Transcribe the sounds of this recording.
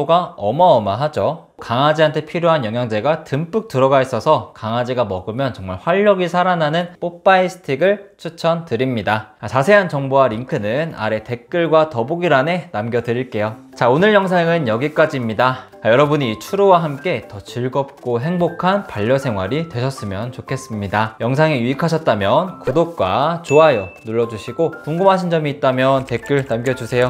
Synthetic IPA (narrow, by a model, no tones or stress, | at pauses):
oɡaʌmʌʌmaɦad͡ʑo | kaŋad͡ʑiantʰe̞pʰiɾjoɦanjʌŋjaŋd͡ʑe̞ɡatɯmp͈ɯk̚t͈ɯɾʌɡais͈ʌsʰʌkaŋad͡ʑiɡamʌɡɯmjʌnt͡ɕʌŋmaɭɸwaʎːʌɡisʰaɾananɯnp͈op͈aisʰɯ̥tʰiɡɯɭt͡ɕʰut͡ɕʰʌntɯɾimɲidaat͡ɕasʰe̞ɦant͡ɕʌŋboaɾiŋkʰɯnɯna̰ɾe̞te̞k̚k͈ɯɭɡwatʌboɡiɾane̞namɡjʌdɯɾiɭk͈e̞jo | t͡ɕaonɯɭjʌŋsʰaŋɯnjʌɡik͈ad͡ʑiːmɲida | ajʌɾʌbuɲiːt͡ɕʰuɾowaɦamk͈e̞tʌt͡ɕiɭɡʌp̚k͈oɦe̞ŋbokʰanpaʎːʌsʰe̞ŋɦwaɾitwe̞ɕʰʌs͈ɯmjʌnt͡ɕokʰe̞s͈ɯmɲidajʌŋsʰaŋejuikʰaɕʰʌt̚t͈amjʌnkudok̚k͈wa̰t͡ɕoajonuɭːʌd͡ʑuɕʰiɡokuŋɡɯmɦaɕʰind͡ʑʌmiːt̚t͈amjʌnte̞k͈ɯɭnamɡjʌd͡ʑusʰe̞jo